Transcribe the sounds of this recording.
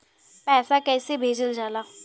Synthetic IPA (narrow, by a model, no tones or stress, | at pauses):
pɛːsakɛːsebʱeːd͡ʒəld͡ʒaːlaː